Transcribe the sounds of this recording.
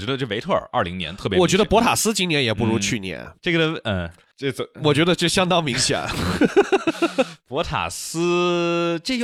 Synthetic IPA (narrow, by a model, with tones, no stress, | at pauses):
t͡ɕɥɛ˧˥d̪ə˧ʈ͡ʂə˥˩˧e˧˥ɪt̪ʰɤ˥˩ə̰˞˨˩˦ʔɐ̰˥˩li˧˥ŋnjɛ˧˥nt̪ʰɤ˥˩pjwɔ˨˩t͡ɕɥɛ˧˥d̪ə˧pwɔ˧˥t̪ʰa˨˩sɹ̩˥t͡ɕi˥njɛ˧˥njɛ˨˩pu˧˥ɻu˧˥t͡ɕʰy˥˩njɛ̰˧˩nʈ͡ʂɤ˥˩ɡəə˥˧˩ | wɔ˨˩t͡ɕɥɛ˧˥d̪ə˧ʈ͡ʂɤ˥˩ɕjɑ˥ŋt̪ɑ˥ŋmi˧˥ŋɕjɛ̰˨˩˦n | pwɔ˧˥t̪ʰa̰˨˩sɹ̩˥ | ʈ͡ʂə˥˧˩